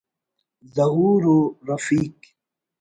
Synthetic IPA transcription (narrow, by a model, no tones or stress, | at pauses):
zɐɦuːɾuɾɐfiːk